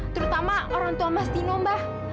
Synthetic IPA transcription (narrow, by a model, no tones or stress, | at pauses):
t̪əɾut̪amaoɾaŋt̪uambast̪inombah